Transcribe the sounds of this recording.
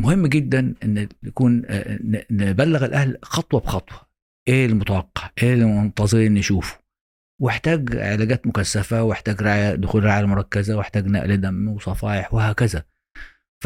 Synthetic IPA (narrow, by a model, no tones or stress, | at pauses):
mʊhɪmːɡɪd̪ːanʔɪnːakuːn | nɪbalːaɣɪlʔahlxɑt̪ˤwɑbxɑt̪ˤwɑ̥ | ʔeːlmʊt̪ˤɑɑqːɑ̥ʔeːlmʊnt̪ˤɑzˤɨɾɪnːɪʃuːfʊ̥ | wɪħt̪aːɡʕɪ̰laːɡæːt̪mʊkasːafawɪħt̪aːɡɾaʕjad̪ʊxuːlɾaʕjamʊɾˤɑkːazawɪħt̪aːɡna̰ʔlad̪amːwsˤɑfɑːʔɪħwɪhaːkɪza | f